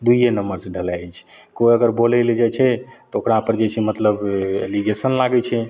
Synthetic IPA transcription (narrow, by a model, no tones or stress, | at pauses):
d̪ujenəmbəɾseɖʱəlat͡ʃʰ | koiəɡəɾbolɛled͡ʒat͡ʃʰɛt̪ɔokɾapəɾd͡ʒet͡ʃʰɛmət̪ləbḛliɡesənlaɡɛt͡ʃʰɛ